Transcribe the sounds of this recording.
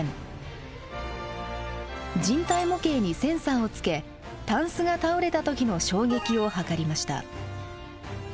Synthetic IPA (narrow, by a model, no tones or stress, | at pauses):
d͡ʑĩnt̪aimo̞ke̞ːɲ̟isẽ̞ɰ̃sãɰ̃o̞t͡sɨ̥ke̞ | t̪ãɰ̃sɨɡat̪aoɾe̞t̪at̪o̞kʲino̞ɕo̞ːɡʲe̞kʲio̞hakaɾʲimaɕi̥t̪a̰